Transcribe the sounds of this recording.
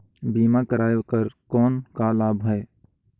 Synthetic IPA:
biːmakəɾaːjokəɾkɔːnkalaːbɦɛe

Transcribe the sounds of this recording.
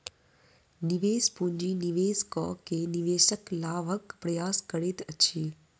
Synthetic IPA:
nɪʋeːspũɲd͡ʑinɪʋeːskɔ̰ːkʰːeːnɪʋeːʃəklaːʋəkpɾɐjaːskɐɽeːt̪ʰɐt͡ɕʰeː

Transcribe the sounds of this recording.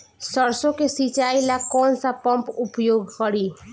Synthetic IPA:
səɾsõkesit͡ʃailakɔːnsapʌmpupjoɡkəɾi

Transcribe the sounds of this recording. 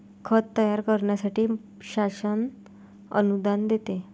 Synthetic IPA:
kʰət̪ːəjaɾkəɾɳjasaʈiː | ɕasən | ə̰nud̪and̪et̪e

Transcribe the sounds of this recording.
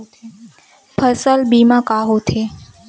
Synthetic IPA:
pʰəsəlbimãkaɦot̪ʰe

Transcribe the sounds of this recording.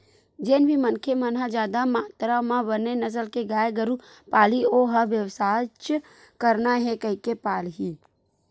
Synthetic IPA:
d͡ʒeːnbʱimənkʰemənɦad͡ʒaːd̪amaːt̪ɾamãbənenəs̬əlkeɡaːjɡəɾu | paːlioɦəʋjəwsaːt͡ʃ | kəɾnaɦɛkəɦikepaːlɦiː

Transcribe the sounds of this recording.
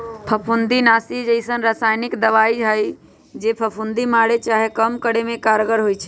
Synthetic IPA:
pʰəpʰund̪inasid͡ʒəɪsənɾasajnikd̪əʋaiɦəj | d͡ʒepʰəpʰund̪imaɽet͡ʃaɦekəmkəɽemẽkaɾɡəɾɦojt͡ʃʰɛ̥

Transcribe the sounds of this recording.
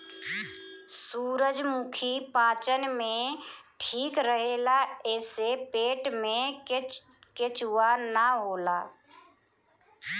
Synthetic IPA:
suːɾəd͡ʒmukʰipãːt͡ʃənmẽʈʰiːkɾəɦeːlaɛːsepeːʈmẽ | ket͡ʃuwanəɦoːlaː

